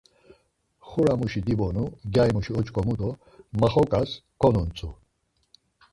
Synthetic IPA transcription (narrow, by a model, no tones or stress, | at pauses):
χuɾamuʃid̪ibɔnuɡjajmuʃiɔt͡ʃʼkʼɔmud̪ɔ | maχɔkʼaskʰɔnunt͡sʰʼu